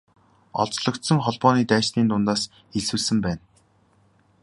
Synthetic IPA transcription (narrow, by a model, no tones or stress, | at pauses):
ɔɮt͡sɮɞ̆kt̪sɞ̆ŋχɔɮpɔːniːt̪æːʃt̪iːnt̪ʊnt̪aːs | eɮsɘ̆ːɮsɘ̆mpæːn